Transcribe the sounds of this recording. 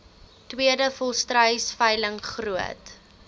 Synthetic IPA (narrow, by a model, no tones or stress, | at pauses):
twiədəfɔlˠstrəjsfəjləŋχruət